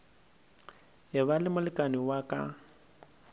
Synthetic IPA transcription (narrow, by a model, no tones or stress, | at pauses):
ɦɪβalɪmʊlɪkʼaniwakʼa̰